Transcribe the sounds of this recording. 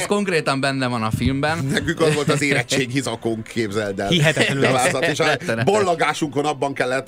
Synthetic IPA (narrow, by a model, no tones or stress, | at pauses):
sko̞ŋkreːt̪ɒmbɛnːɛvɒnɒfilmbɛnnɛkyŋkɒzʋo̞lt̪ɒzeːɾɛt͡ʃeːɡhizɒkoŋkʰːeːbzɛld̪ɛlhiɦɛt̪ɛaːzɒt̪eʃɛɾɛbolːoɡaːʃuŋko̞nɒbːɒŋkɛlːɛt̪ː